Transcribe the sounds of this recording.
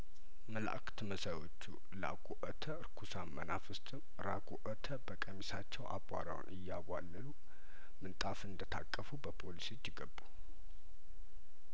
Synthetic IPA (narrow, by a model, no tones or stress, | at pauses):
məla̰ʔkʰt̪ʰməsajwot͡ʃːṵ | la̰ɡʷʼuʔət̪ʰəɨɾkʰusamːənafɨst̪ʰʼɨm | ɾaɡʷʼuʔət̪ʰəbəkʼəmisat͡ʃːɛwʔa̰bʷa̰ɾa̰w̰nʔɨjːaβʷalːəlu | mɨnt̪ʼafɨnd̪ət̪ʰakʼːəfubəpʰolisit͡ʃːɪɡəbːu